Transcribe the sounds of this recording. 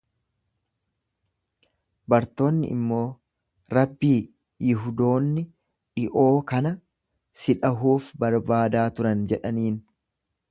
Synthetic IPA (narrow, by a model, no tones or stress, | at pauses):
bɐɾt̪o̞ːnːɪ̰ʔɪ̰mːo̞ː | ɾɐbːiː | jɪɦʊd̪o̞ːnːɪ | ᶑɪʔo̞ːkɐnɐ | sɪᶑɐɦuːfbɐɾbaːd̪aːt̪ʊɾɐnd͡ʒɛᶑɐniːn